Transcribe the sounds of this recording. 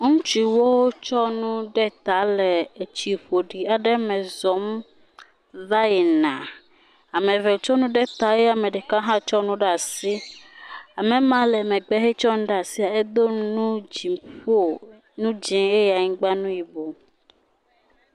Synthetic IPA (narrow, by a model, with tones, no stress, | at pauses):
ŋũ˦t͡ʃi˨˦wo˦wo˦t͡ʃɔ˦nũ˦ɖɛ˦t̪a˨˦lɛ˨e˨t͡ʃi˨ɸo˨ɖi˨a˨ɖɛ˦mɛ̃˨zɔ˨˦m | va˦ji˨nã˨ | a˨mẽ˨ve˨t͡ʃɔ˦nũ˦ɖɛ˦t̪a˨je˦a˨mɛ˨ɖe˨kã˦ɦã˦t͡ʃɔ˦nũ˦ɖa˨si˦ | a˨mẽ˨mã˨˦lɛ˨mẽ˨ɡ͡bɛ˦ɦe˦t͡ʃɔ˦ŋ̃˦ɖa˨si˦a˨e˦d̪o˦nũ˦d͡ʒi˨mɸo˦˨ | nũ˦d͡ʒĩ˨e˦ja˨ɲĩ˦ɡ͡ba˦nũ˦ji˨bo˨